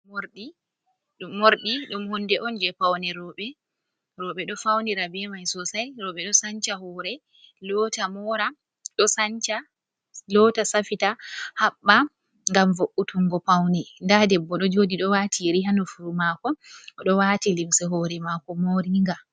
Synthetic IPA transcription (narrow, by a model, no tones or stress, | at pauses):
moɾɗi | ɗumːoɾɗiɗumhundɛʔɔnd͡ʒɛpawnɛɾɔɓɛ | ɾɔɓɛɗɔfawniɾabɛmajsɔsajɾɔɓɛɗɔsaɲt͡ʃaɦɔɾɛ | lɔtamɔɾa | ɗɔsant͡ʃa | lɔtasafitahaɓːa | ŋɡamvoʔːutʰuŋɡɔpawnindadɛbːɔɗɔd͡ʒodiɗɔwatʰiɾiɦanufuɾumakɔɔɗɔwatilimsɛɦɔɾɛmakɔmoɾiŋɡa